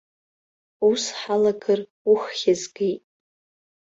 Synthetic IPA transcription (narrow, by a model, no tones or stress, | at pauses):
usħalaɡɨr | uχːʲazɡejtʼ